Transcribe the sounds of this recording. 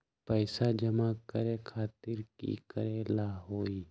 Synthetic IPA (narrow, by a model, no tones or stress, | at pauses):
pəːsad͡ʒəmakəɾekʰaːt̪ɪɾkḭkəɾelaːɦoːi